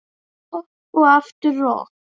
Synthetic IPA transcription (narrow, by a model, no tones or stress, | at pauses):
oaft̪əɾɔ̰ː